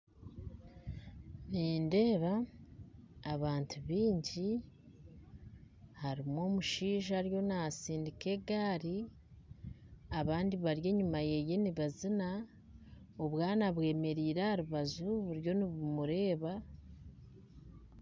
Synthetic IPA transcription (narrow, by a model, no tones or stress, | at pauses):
niːnde̞ːβa | βaːntʰuβiːɲɟi | haɾimo̞ːmuʃiːʒaɾjo̞nasiːndike̞ɡaːɾi | aβaːndiβaɾje̞ːɲumaje̞je̞niβazina | oβwaːnaβwe̞ːme̞ɾiːɾahaɾuβazuβuɾjo̞niβumuɾe̞ːβa